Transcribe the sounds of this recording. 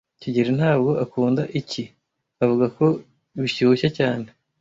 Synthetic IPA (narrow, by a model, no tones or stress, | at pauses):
ciɟiɾen̥haːbɡo̞ʔakuːndaʔici | avuɡako̞ | βiɕuuçacaːne̞